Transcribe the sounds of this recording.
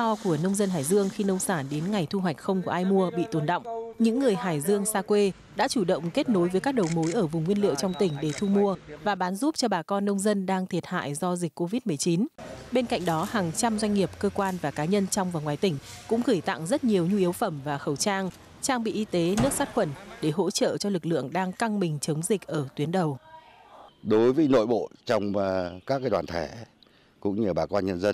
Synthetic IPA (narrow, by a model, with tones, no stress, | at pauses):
ɔ˧ku˧˩ənə˧wŋ͡mzə˧nhɦaː˧˩jzɨ˧əŋxi˧nə˧wŋ͡msaː˧˩nɗe˨˦nŋa˨˩jt̪ʰu˧ɦwa˨˩jk̟̚xə˧wŋ͡mku˧˩əʔaː˧jmu˧əɓḭ˧˨t̪o˨˩nɗə̰˧˨wŋ͡mɲɨ̰˧˥ŋːɨ˨˩əjɦaː˧˩jzɨ˧əŋsaː˧kwe˧ | ɗa̰ː˧˥t͡ɕu˧˩ɗə̰˧˨wŋ͡mke˦˥t̚no˨˦jvəː˨˦jkaː˦˥k̚ɗə˨˩wmo˨˦jʔəː˧˩vʊ˨˩ŋ͡mŋwi˧ənlḭ˧˨əwt͡ɕɔ˧wŋ͡mt̪ï˧˩ŋ̟ɗe˧˩t̪ʰu˧mu˧əvaː˨˩ɓaː˨˦nzu˦˥p̚t͡ɕɔ˧ɓaː˨˩kɔ˧nːə˧wŋ͡mzə˧nɗaː˧ŋt̪ʰi˨˩ət̚ha̰ː˧˨jzɔ˧zï˨˩k̟̚ʲkːo˧vi˦˥t̚mɨ˨əjt͡ɕi˨˦nɓe˧nka̰˧˨jŋ̟̚ɗɔ˨˦haː˨˩ŋt͡ɕa˧mzwa˧jŋ̟ŋi˨˩əp̚kəː˧kwaː˧nvaː˨˩kaː˨˦ɲə˧nt͡ɕɔ˧wŋ͡mvaː˨˩ŋwaː˨˩jt̪ï˧˩ŋ̟kʊ̰˧˥ŋ͡mɣɨː˧˩jt̪a̰˧˨ŋzə˦˥t̚ɲi˨˩əwɲu˧i˨˦wfə˧˩mvaː˨˩xə˧˩wt͡ɕaː˧ŋ | t͡ɕaː˧ŋɓḭ˧˨ʔi˧t̪e˨˦nɨ˦˥ək̚saː˦˥t̚xwə˧˩nɗe˧˩ɦo̰˧˥t͡ɕə̰ː˧˨t͡ɕɔ˧lɨ˨˩k̚lɨ̰˧˨əŋɗaː˧ŋka˧ŋmï˨˩ŋ̟t͡ɕə˨˦wŋ͡mzï˨˩k̟̚ʔəː˧˩t̪wi˨˦ənɗə˨˩w | ɗo˨˦jvəː˨˦jno̰˧˨jɓo̰˧˨t͡ɕɔ˧wŋ͡mkaː˦˥k̚ːaː˨˦jɗwaː˨˩nt̪ʰɛ˧˩ | kʊ̰˧˥ŋ͡mɲɨ˧ɓaː˨˩kɔ˧nɲə˧nzə˧n